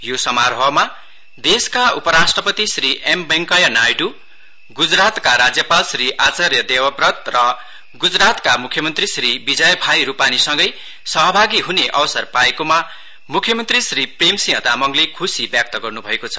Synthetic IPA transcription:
josʌmaɾɦʌma | d̪eskaupʌɾasʈrʌpʌt̪isriʔembʌŋkʌjʌnajʈu | ɡud͡zrat̪kaɾad͡zjʌpalsriʔat͡sarjʌd̪ewʌprʌt̪rʌ | ɡud͡zrat̪kamukʰjʌmʌnt̪risribid͡zʌjbʱajɾupanisʌŋɡʌj | sʌɦʌbʱaɡiɦuneʔʌwʌsʌrpaekoma | mukʰjʌmʌnt̪risripremsĩɦʌd̪amʌŋlekʰusibjak̚t̪ʌɡʌrnubʱʌekot͡sʰʌ̥

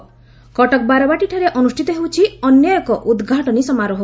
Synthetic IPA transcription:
kɔʈɔk̚baɾɔbaʈiʈʰɔɾeʔɔnusʈʰit̪ɔɦewt͡ʃʰiɔnjɔjkɔʔud̪ɡʱaʈɔnisɔmaɾɔɦ

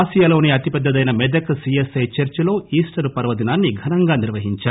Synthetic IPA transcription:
sijalo̞ːneɐt̪ipɛd̪ʱːɐd̪ɐjnɐmɛd̪ɐkɐsiesɐjt͡ʃɐɾt͡ʃɐlo̞ːiːsʈɐɾpɐɾɐʋɐd̪inaːnːiɡʱɐnɐŋɡaːniɾʋɐɦiɲt͡ʃaː

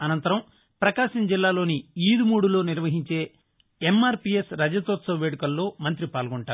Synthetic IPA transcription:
ɐnɐnt̪ɐɾɐm | pɾɐkaːʃɐmd͡ʒilːaːlo̞ːniiːd̪umuːɽulo̞ːniɾʋɐɦiɲt͡ʃe̞ː | emːaːɾpijesɾɐd͡ʒɐt̪oːt̪sɐʋɐʋeːɽukɐlːo̞ːmɐnt̪̬ɾipaːlɡɔɳʈaːɾ

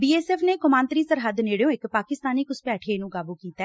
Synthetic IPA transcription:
biːeːsɛːpʰneːkʊmãːnt̪ɾiːsəɾɦəd̪neːɽejõːɪkpaːkɪst̪aːniːkʊspɛːʈʰeːnũːɡaːbuːkiːt̪aː

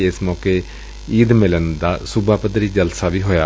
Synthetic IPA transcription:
ɪsmɔːkeː | iːd̪mɪlənd̪aːsʊbʱaːpəd̪ɾiːd͡ʒəlsaːʋiːɦoːjaː

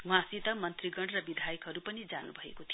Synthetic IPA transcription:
wãsit̪ʌmʌnt̪riɡʌɳrʌbid̪ʱajʌkɦʌɾupʌnid͡zanubʱʌḛkot̪ʰi

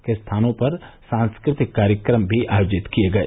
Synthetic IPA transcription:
kest̪ʰaːnõpɐɾsãːnskɾɪt̪ɪkːaːɾjəkɾəmbʱiʔaːjoːd͡ʒɪt̪kijeɡɐeː

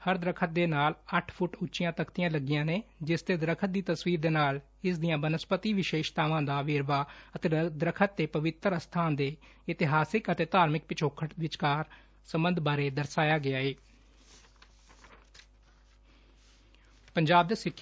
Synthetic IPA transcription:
həɾd̪ɾəkʰət̪̚d̪eːnaːləʈʰpʰʊʈʊtːʃɪjãːt̪əkt̪ɪjãːləɡɪjãːneːd͡ʒɪst̪eːd̪ɾəkʰət̪̚d̪iːt̪əsʋiːɾd̪eːnaːl | ɪsd̪ijãːmənəspət̪iːʋɪʃeːʃt̪aːʋãːd̪aːʋeːɾʋaːət̪eːd̪ɾəkʰət̪̚ːeːpəʋɪt̪əɾəst̪ʰaːnd̪eː | ɪt̪ɪɦaːsɪkət̪eːt̪aːɾmɪk̚pɪt͡ʃʰoːkʰəʈʋɪt͡ʃkaːɾ | səmbənd̪ʱbaːɾeːd̪əɾsaːjaːɡɪaːeː | pəɲd͡ʒaːb̚d̪eːsɪkʰ

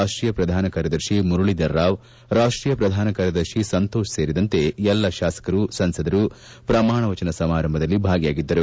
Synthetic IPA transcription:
aːʂʈɾiːjɐpɾɐd̪ʱaːnɐkaːɾjɐd̪ɐɾʃimuɾuɭid̪ɐɾːaːʋ | ɾaːʂʈɾiːjɐpɾɐd̪ʱaːnɐkaːɾjɐd̪ɐɾʃisɐnt̪oːʃɐseːɾid̪ɐnt̪e̞ɛlːɐʃaːsɐ̥kɐɾusɐnsɐd̪ɐɾu | pɾɐmaːɳɐʋɐt͡ʃɐnɐsɐmaːɾɐmbʱɐd̪ɐlːibʱaːɡɐjaːɡid̪ːɐɾu

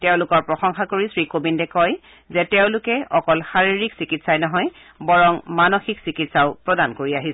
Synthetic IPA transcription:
tɛʊ̃lʊkɔɹpɹɔxɔŋxakoɹisɹikobindɛkɔj | zɛtɛʊ̃lʊkɛɔkɔlxaɹiɹiksikitsajnɔɦɔj | bɔɹɔŋmanoxiksikitsaʊpɹɔdankoɹiaɦis

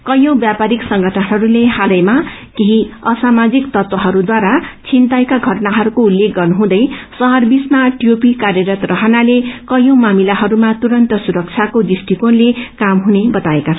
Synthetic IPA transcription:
kʌjõw̃bjapaɾiksʌŋɡʌʈʰanɦʌɾulehalʌjmakeɦiʌsamad͡zikt̪ʌt̪wʌɦʌɾud̪waɾat͡sʰint̪aekaɡʱʌʈnaɦʌɾukoulːekɡʌrnuɦũd̪ʌjsʌɦʌrbismaʈjopikarjʌɾʌt̪rʌɦʌnalekʌjõwmamilaɦʌɾumat̪uɾʌnt̪ʌsuɾʌk̚t͡sʰjakod̪isʈikonlekamɦunebʌt̪aekat͡sʰʌn

